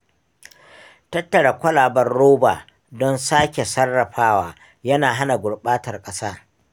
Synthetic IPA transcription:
tɐ˦tːɐ˨ɽa˨kʷɐ˦laː˨bɐ˦rːoː˦ba̰ː˨ | dɔ˦nsaː˦kʲe˨sɐ˦rːɐ˨ɸaː˦waː˨ | jɐ˦naː˨ɦa˦na˨ɡʷʊ˨ɽɓaː˦tɐ˨rkʼɐ˦saː˦

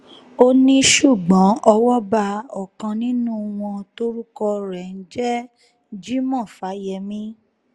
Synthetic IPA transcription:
o˦nĩ˦ʃu˦˨ɡ͡bɔ̃˨˦ɔ˧wɔ˦ba˧ɔ˨kã˧nĩ˦nũ˦w̃ɔ̃˧to˦ɾu˦kɔ˧ɾɛ˨n̩˦d͡ʒɛ˦ | d͡ʒi˦mɔ̃˦˨fa˨˦jɛ˧mĩ˦

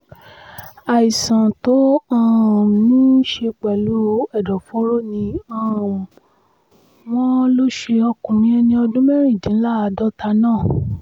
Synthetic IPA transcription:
a˨i˨sã˨to˨˦ã˧˦˨nĩ˦ʃe˧k͡pɛ˨lu˨˦ɛ˦˨dɔ˨fo˨˦ɾo˦nĩ˧ã˦˨ | w̃ɔ̃˦lo˦ʃe˧ɔ˧kũ˨mĩ˦ɛ˧nĩ˧ɔ˧dũ˦mɛ˦ɾ̃ĩ˦˨dĩ˨˦la˦a˨˧dɔ˦ta˧nãː˦˨

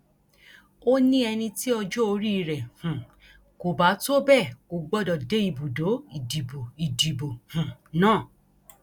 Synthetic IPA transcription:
o˦nĩ˦ɛ˧nĩ˧ti˦ɔ˧d͡ʒo˦o˧ɾi˦i˧ɾɛ˨hũ˨ | ko˨ba˨˦to˦bɛ˦˨ko˨˧ɡ͡bɔ˦dɔ˨de˨˦i˧˨bu˨do˨˦i˨di˨bo˨i˨di˨bo˨hũ˨nãː˦˨

